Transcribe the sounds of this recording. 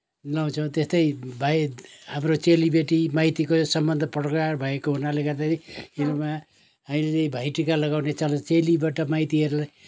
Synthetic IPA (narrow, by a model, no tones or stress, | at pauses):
law̃t͡sʰʌ̃t̪est̪ʌjbʱajhamrot͡selibeʈimajt̪ikosʌmbʌnd̪ʱʌprʌkarbʱʌekoɦunaleɡʌrd̪asʰiiluma | ɦamileebʱajʈikalʌɣawnet͡salat͡selibaʈʌmajt̪iɦʌɾulaj